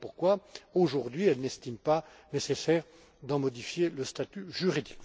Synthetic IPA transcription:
puʁkwaoʒuʁd̪ɥiɛlnɛst̪impa | nesesɛːʁ | d̪ɑ̃mɔd̪ifjeləst̪at̪yʒyʁid̪ik

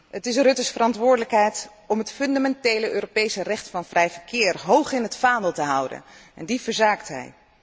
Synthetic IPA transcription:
ɦətɪsərɵtəsfərɑntʋʊːɹdələkɦɛjt | ɔmɦətfɵndamɛntejləʔøːropejsərɛχtfɑnvrɛjvəɹkɪːrɦowχɪnɦətfaːnəlˠtəɦʌwdə̰nɛ̰ndivəɹzaːktɦɛ̰j

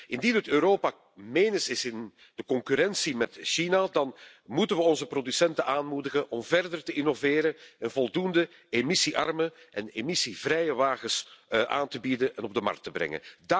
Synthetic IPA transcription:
ʔɪndinɦətøːɾoːpa | meːnəsɪsɪn | d̥əkɔŋkyɾɛnsimɛtʃinadɑn | mutənʋəɔnzəprodysɛntənʔaːnmudəɣənʔɔmvɛrdərtəʔɪnoveːɾəɛnvɔlˠdundə | emɪsiʔɑ̰rmənʔɛnemisivrɾɛjəʋaːɣəsʔa̰ːntəbidəɛnɔb̚dəmɑ̰rk̚təbɾɛ̰ŋə̰nda

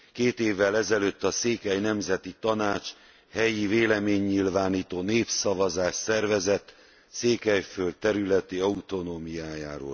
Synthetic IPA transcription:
keːt̪eːvːɛlɛzɛløt̪ːɒseːkɛjnɛmzɛt̪it̪ɒnaːt͡ʃ | hɛjiveːlɛmeːɲːilvaːniːt̪oːneːpsɒvɒzaːʃsɛrvɛzɛt̪ː | seːkɛjfølt̪ːɛɾylɛt̪iɒut̪o̞noːmijaːjaːɾo̰ːl

